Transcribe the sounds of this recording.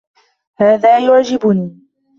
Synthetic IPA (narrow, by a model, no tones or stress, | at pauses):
haːðaːjʊʕd͡ʒɪbʊniː